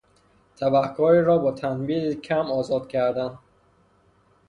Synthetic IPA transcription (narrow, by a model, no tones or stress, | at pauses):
t̪ʰæbæχkʰɒːɾiɾɒːbɒːt̪ʰænbiːd̪icʰæmɒːzɒːd̪̥cʰæɾd̪æn